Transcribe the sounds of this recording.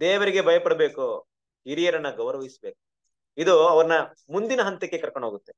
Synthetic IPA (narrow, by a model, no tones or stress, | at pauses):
d̪eːʋɐɾiɡe̞bɐjɐpɐɽɐbe̞ːku | ɦiɾijɐɾɐnːɐɡɐʋɾɐʋɐɦisbeːku̥ | id̪uɐʋɐɾɐnɐ | mund̪inɐɦɐnt̪ekːekɐɾkoɳɖɦoːɡut̪ːe